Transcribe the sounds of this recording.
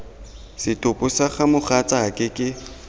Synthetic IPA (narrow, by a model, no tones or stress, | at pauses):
sɪtʼʊpʼʊsaχamʊχat͡sʼakʼɪkʼɪ